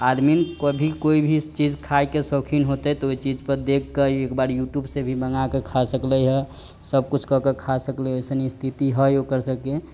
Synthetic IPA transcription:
ad̪minkəbʱikoibʱit͡ʃid͡ʒkʰajkesokʰinɦot̪et̪ɔoit͡ʃid͡ʒpəɾd̪ekːeekbaɾjuʈjubsebʱibəŋakekʰasəkləɦɛ | səb̚kut͡ʃʰkɔkekʰasəkleojsənist̪ʰit̪iɦɛjokəɾsəke

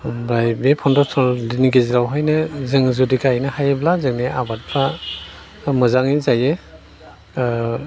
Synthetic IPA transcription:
bɾajbepʰɔndɔtʰɔliniɡeziɾawɦɯjnɯzɯŋzudikajnɯhajeblazɯŋniʔabat̚pʰa | mɯzaŋizaje

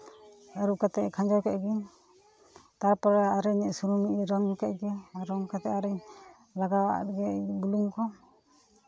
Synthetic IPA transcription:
aɾukat̪ɛʔkʰaɲd͡ʒɔwkɛʔɡin | t̪aɾpɔɾɛaɾɛɲɛʔsuɾumiʔiɾɔŋkɛʔ̚ɡɛaɾɔŋkat̪ɛʔaɾɛɲ | laɡawaʔa̰t̪̚ɡɛbuluŋkɔ

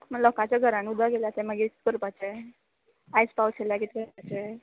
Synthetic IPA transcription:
məlɔkãt͡ɕaɡʱəɾãniud̪aɡeljat̪eməɡikəɾpat͡ɕe | ajspawkʰeljakit̪kəat͡ɕe

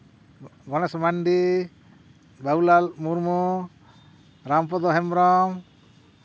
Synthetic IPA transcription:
ɡɔnasɔmanɖi | baulalmuɾmɔ | ɾampɔd̪ɔɦɛmɾɔm

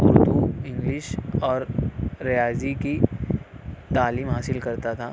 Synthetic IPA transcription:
ʊɾd̪uɪ̃ŋɡlɪʃɔːɾːɐjaːziki | t̪aːliːmɦaːsɪlkɐɾt̪at̪ʰa̰ː

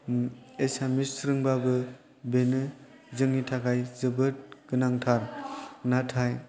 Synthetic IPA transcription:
esamisɾɯŋbabɯ | benɯ | zɯŋnitʰaɡajzɯbɯt̚ɡ̥ɯnaŋtʰaɾnatʰaj

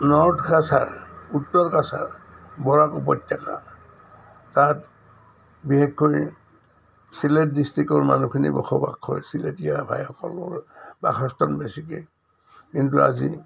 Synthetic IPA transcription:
nɔɹtkasaɹutːɔɹkasa̰ɹbɔɹakupɔtjaka̰ | tat | bixekʰːoj | siletdistɹikɔɹma̰nukʰinḭbɔ̰xʰɔba̰kʰːɔ̰ɹsiletijabʱa̰jhɔkɔ̰lɔ̰ɹba̰xɔstɔnbesikɛ | kintua̰zi

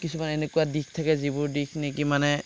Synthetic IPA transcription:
kisumanɛnɛkuwadik̚tʰakɛzibʊɹdikʰnekimanɛ

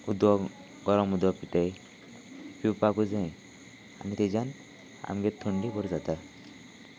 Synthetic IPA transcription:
ud̪wɔ | ɡɔɾɔmud̪wɔpiʈaj | piwpakud͡zẽ | a̰nit̪ed͡ʑan | a̰mɡet̪ʰuɳɖibɔɾd͡zat̪a

